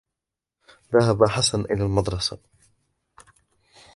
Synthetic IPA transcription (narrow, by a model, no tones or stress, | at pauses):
ðaɦabaħasanʔɪ̰laːlmɑd̪ɾˤɑsa